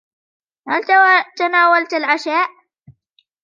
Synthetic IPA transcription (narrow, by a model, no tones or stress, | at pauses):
halt̪t̪anaːwalt̪alʕaʃaːʔ